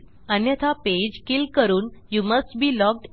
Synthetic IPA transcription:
ənjət̪ʰaped͡ʑkilkəɾuːnjuməsʈbiːlɔk̚ʈ

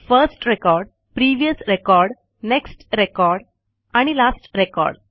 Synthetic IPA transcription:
fəɾsʈɾekɔɾɖ | pɾiːʋijəsɾekɔɾɖ | neksʈɾekɔɾɖ | aɽ̃ilasʈɾekɔ̰ɾɖ

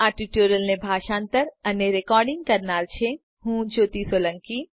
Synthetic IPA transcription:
aːʈiʈjuːɾəlnẽbʱaːʃãːnt̪əɾɐneɾekɔːɾɖɪ̃ŋɡ̚kɐɾnaːɾt͡ʃʰe | ɦũd͡ʒoːt̪isoːlə̃ŋki

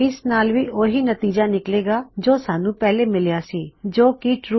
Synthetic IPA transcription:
ɪsnaːlʋiʔoːɦinɐt̪iːd͡ʒanɪkleːɡad͡ʒoːsaːnũpɛɦlemɪljasiːd͡ʒoːkiʈɾu

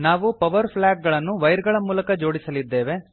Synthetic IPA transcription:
naːʋupɐʋɐɾpʰlaːɡ̚ɡɐɭɐnːuʋɐjɾɡɐɭɐmuːlɐkɐd͡ʒo̞ːɽisɐlid̪ːe̞ːʋe̞

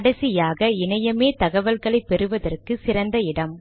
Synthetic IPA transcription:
ɐɽɐsɪjaːɣɐɪnɐjɐmeːt̪ɐɣɐʋɐlɣɐɭɐɪpːɛɾɯʋɐðɐrkɯsɪɾɐnd̪ɐɪɽɐm

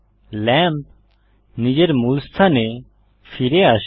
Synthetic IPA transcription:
lɛ̃ːmp | nid͡ʒeɾmuːlst̪ʰaːne | fʰiɾeːaʃ

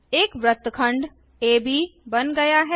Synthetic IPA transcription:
eːkʋɾɐt̪kʰə̃ɳɖ | eːbʱibɐnɡɐjaɦɛ

